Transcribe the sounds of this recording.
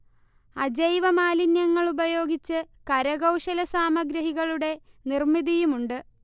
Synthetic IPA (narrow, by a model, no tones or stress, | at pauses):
ɐd͡ʑɐjʋɐmaːlinjɐŋːɐɭubɐjo̞ːɡit͡ɕːɨ | kɐɾɐɣɐwʂɐlɐsaːmɐɡɾɐɦiɣɐɭuɽe̞ | nirmid̪ijumuɳɖɨ